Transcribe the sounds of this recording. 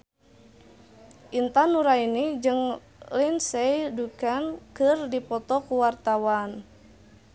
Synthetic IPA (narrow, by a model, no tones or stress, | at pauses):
ʔint̪anuɾainid͡ʒɨŋ | linsejdukankɨrdipɔt̪ɔkuwart̪awan